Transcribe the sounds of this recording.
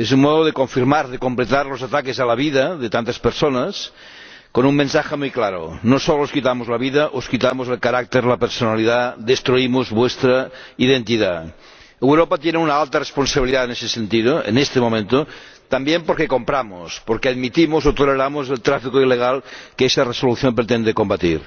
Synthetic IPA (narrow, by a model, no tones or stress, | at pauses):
ez̬ummoðoð̞ekoɱfiɾmaɾðekomplet̪aɾlosat̪akesalaβiðaðet̪ant̪aspeɾsonas | konummẽnsaxemujklaɾo̰nosolooskit̪amozlaβiðaʔoskit̪amozelkaɾak̚t̪eɾlapeɾsonaliðad̪est̪ɾuimozβwest̪ɾaiðent̪iða | ewɾopat̪jeneunaalt̪aresponsaβiliðaenesesent̪ið̞oḛnest̪emomẽnt̪o | t̪ambjempoɾkekompɾamo̰spoɾkeaðmit̪imosot̪oleɾamozelt̪ɾafikoileɣ̞alkeesaresoluθjompɾet̪end̪ekombat̪ḭɾ